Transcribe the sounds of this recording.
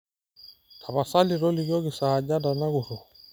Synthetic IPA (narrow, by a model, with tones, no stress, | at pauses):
kʰa˨βa˨sa˦li˨ɾɔ˦li˨ɣjɔ˦ɣi˨sa˨d͡ʒa˦da˨na˦ɣu˨ɾɔ˨